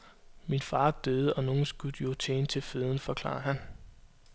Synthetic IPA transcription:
minfɑ̈ːd̥øːð̞ˠəɒ̽no̝ːn̩sɡ̥ud̥jo̝t͡sʰḛːnət͡sʰe̝lfeð̞ˠn̩fɒ̽kʰl̥ɑ̰̈ːɐhæn

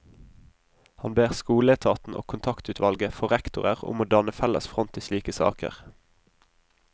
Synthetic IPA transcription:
hɑnbeːʁskuːlət̪ʰɑːt̪n̩ʔo̰ːkʰʊnt̪ʰɑkt̪ʉːt̪ʋɑlɡəfɔʁɛkt̪ʊʁəʁʊ̰moːd̪ɑnəfɛlə̰sfʁɔnt̪ʰɪsliːkəsɑ̰ːkə̰ʁ

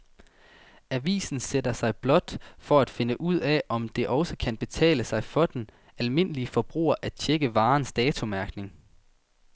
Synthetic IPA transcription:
æʋḭːsn̩sed̥ɐsɑ̈ɪb̥lɒ̽d̥fɒ̽æd̥fe̝nəʔuð̞̰ˠɛʔɒ̽md̥e̝ʔɒ̽ʊsəkʰænb̥e̝t͡sʰɛ̰ːləsɑ̈ɪfɒ̽d̥en | ælme̝n̰əliəfɒ̽b̥ʁṵːɐʔæd̥t͡ɕʰeɡ̥əʋɑ̈ːnsd̥ɛːt͡sʰo̝mæɐɡ̥ne̝ŋ

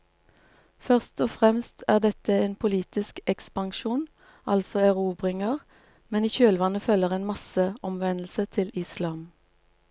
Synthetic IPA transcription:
fœʁst̪ɔːfʁɛmst̪ʰæːʁd̪ɛt̪əeːnpʰʊliːt̪ɪskɛkspɑŋʃuːn | ʔɑlsɔæʁuːbʁɪŋəʁ | mɛniːçøːlʋɑnəfœləʁeːnmɑsəʔɔmʋɛnl̩sət̪ʰɪlɪslɑːm

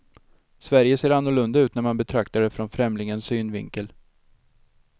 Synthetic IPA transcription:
svæɾjəseːɾanːʊɭɵnd̪aʉ̟ːt̪næɾmanbɛt̪ʰɾakt̪aɖɛfɾɔnfɾɛmlɪŋənsyːnvɪ̰ŋkəl

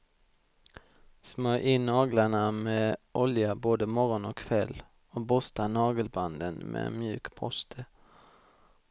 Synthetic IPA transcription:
smœːʔɪnːɑːɡlaɳamɛʔɔljaboːd̪əmɔɾɔnɔkʰːvɛlː | ɔbɔst̪anɑːɡəlband̪ənmʔɛ̰mjʉ̟ːkpʰɔst̪ʰə

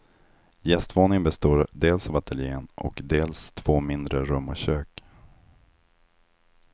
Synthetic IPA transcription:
jɛst̪voːnɪŋənbɛst̪oːɾd̪eːlsavat̪ʰɛljeːnʔɔ̰kd̪eːlst̪ʰv̥oːmɪnd̪ɾəɾɵmːɔɕøːk

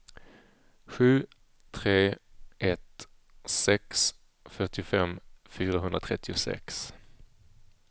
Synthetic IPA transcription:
ɧʉ̟ː | t̪ʰɾeːʔɛt̪ | sɛks | fœʈɪfɛmfyːɾaɦɵnɾat̪ʰɾɛt̪ʰːɪʊsɛ̰ks

